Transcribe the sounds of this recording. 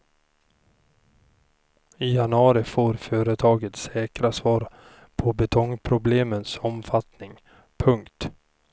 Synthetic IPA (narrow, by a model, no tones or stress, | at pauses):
ɪjanɵɑːɾɪfoːɾfœːɾət̪ʰɑːɡət̪sɛːkɾasvɑːɾ | pʰɔbɛt̪ʰɔŋpʰɾʊbleːmənsɔmfat̪nɪŋ | pʰɵŋkt̪